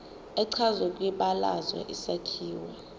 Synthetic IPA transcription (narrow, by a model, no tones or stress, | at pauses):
ɛǀʰazwɛkʼwiɓala̰zwa̰ʔisakʰiːwa